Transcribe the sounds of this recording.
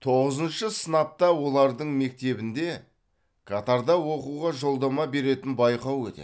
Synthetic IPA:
t̪ʰo̞ʁəzənʃəsənɑp̚t̪ɑwo̞lˠɑɾd̪əɴme̞k̚t̪e̞bɪnd̪e̞ | kʰat̪ɑɾd̪ɑwo̞quʁɑʒo̞lˠd̪ɑmɑbe̞ɾe̞t̪ɪnbɑjqɑwɵt̪ḛ

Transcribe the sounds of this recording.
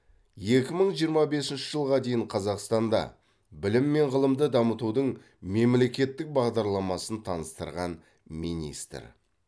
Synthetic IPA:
je̞kʲɪməɴʒijəɾmɑbe̞sɪnʃɪʒəlˠʁɑd̪e̞jɪɴqʰɑzɑqst̪ɑnd̪ɑ̰ | bɪlɪmːe̞ɴʁəlˠəmd̪əd̪ɑmət̪ud̪əɴ | me̞mle̞kʲe̞t̪ːɪk̚bɑʁd̪ɑɾlˠɑmɑsənt̪ʰɑnəst̪ə̰ɾʁɑn | minḭst̪ɾ

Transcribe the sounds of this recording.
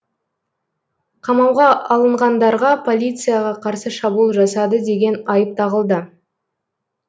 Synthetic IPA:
qʰɑmɑwʁɑɑlˠəɴʁɑnd̪ɑɾʁɑpʰo̞lʲijt̪sɨjaʁɑqʰɑɾsəʃɑbulˠʒɑsɑd̪əd̪e̞ɡʲe̞nɑjəp̚t̪ɑʁəlˠd̪ə

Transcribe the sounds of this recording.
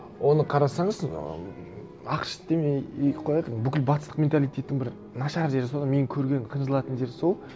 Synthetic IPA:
wʔo̞nəqʰɑɾɑsɑɴəz̰ | ɑqʃə̥t̪d̪emeqʰolˠɑjq̪əɴbʏkʲɪlʲbɑt̪əst̪ə̥qmʲe̞nt̪alʲˠijt̪ʲe̞t̪ːɪŋbɪɾ | nɑʃɑɾʒe̞ɾɪsod̪ɑnme̞nɪŋkʲʰɵɾɡʲe̞nqʰəjnʒlˠɑt̪ənd̪e̞ɾso̞lˠ

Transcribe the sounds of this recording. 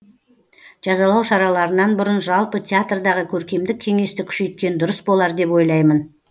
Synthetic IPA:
ʒ̥ɑzɑlˠɑwʃɑɾɑlˠɑɾənɑnbʊɾənʒɑlˠpət̪ʰʲeat̪rd̪ɑʁəkʲʰɵɾkʲe̞md̪ɪkʲʰːe̞ŋe̞st̪ɪkʲʰʏ̥ʃe̞jt̪̚kʲe̞nd̪ʊɾəsbo̞lˠɑɾd̪e̞pwo̞jlˠɑjmən

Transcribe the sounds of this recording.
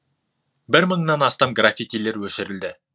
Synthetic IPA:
bɪɾməɴnɑnɑst̪ɑmɡrafʲit̪ijle̞ɾwɵʃɪɾɪld̪ɪ

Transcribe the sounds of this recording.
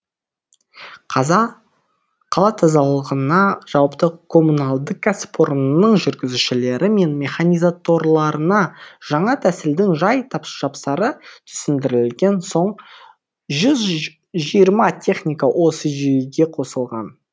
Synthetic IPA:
qʰɑzɑ | qʰɑlˠɑt̪ʰɑzɑlˠəʁənɑʒ̥ɑwpt̪əkʰo̞munalˠd̪əq̚ɡaspʰoɾnənəɴʒʏɾɡʲɪzuʃɪle̞ɾʔɪme̞nmʲe̞χanʲijzat̪o̞ɾlˠɑɾənɑʒ̥ɑɴɑt̪ʰæsɪld̪ɪŋʒɑjt̪ʰɑpʒ̥ɑpsɑɾət̪ʰʏ̥sɪnd̪ɪɾɪlɡʲe̞nso̞ɴ | ʒʏz | ʒijəɾmɑt̪ʲʰe̞χnʲijkawʔo̞səʒejeɡʲe̞qʰo̞səlˠʁɑ̰n

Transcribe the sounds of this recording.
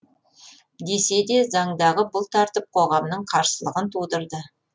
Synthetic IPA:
d̪ese̞d̪e̞zɑɴd̪ɑʁəbʊlˠt̪ʰɑɾt̪əp̚qʰo̞ʁɑmnəɴqʰɑɾsəlˠəʁənt̪ʰud̪əɾd̪ə

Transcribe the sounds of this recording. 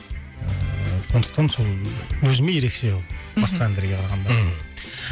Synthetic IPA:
əso̞nd̪əq̚t̪ɑnsolˠwɵzɪmeje̞ɾe̞kʃe̞olˠbɑsqɑænd̪eɾɡʲe̞qʰɑɾɑʁɑnd̪ɑ

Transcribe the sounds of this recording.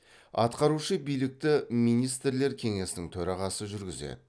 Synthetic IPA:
ɑ̰t̪qɑɾuʃəbijlɪk̚t̪ɪmijnijst̪ɾle̞ɾkʲʰe̞ŋe̞sɪnɪŋt̪ʰɵɾɑʁɑsəʒʏɾɡʲɪze̞̰d̪ɪ

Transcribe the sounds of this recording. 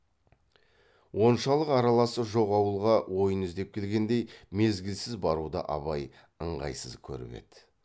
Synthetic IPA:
wo̞nʃɑlˠəqɑɾɑlˠɑsəʒo̞qɑwəlˠʁɑwʔo̞jənʏzd̪e̞p̚kʲʰe̞lɡʲe̞nd̪e̞jme̞zɡʲɪlsɪzbɑɾud̪ə̰ʔɑ̰βɑj | əɴʁɑ̰jsəzkʲʰɵ̰ɾɪ̰be̞̰d̪̥ɪ

